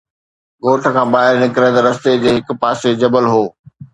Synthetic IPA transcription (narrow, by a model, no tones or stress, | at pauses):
ɡoːʈʰə̆kʰãːɓaːɦɪɾnɪkɾẽt̪ɐɾɐst̪ed͡ʑeːɦɪk̆paːsed͡ʑɐbəlɦoː